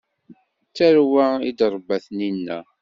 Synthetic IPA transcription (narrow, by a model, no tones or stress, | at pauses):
t͡sːæɾwaid̪ɾˤəbːæθninːæ̰